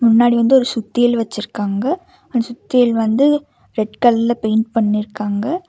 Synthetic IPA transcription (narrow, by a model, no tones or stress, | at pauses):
mʊnːaːɽiʋɐnd̪ɯɔɾɯsʊt̪ːɪjɐlʋɐt͡ʃːɪɾkːaːŋɡɐ | ɐnd̪ɐsʊt̪ːɪjɐlʋɐnd̪ɯ | ɾɛɖkɐllɐpɛɪnɖpɐɳːɪɾɯkːaːŋɡɐ